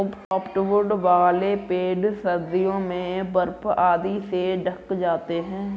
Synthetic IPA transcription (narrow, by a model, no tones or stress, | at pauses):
ʊbʈɔːpʈʋʊɾɖʋaːlepeːɖsəɾd̪ijõːmẽbəɾpaːd̪iseɖəkd͡ʒaːt̪eɦɛ̃ː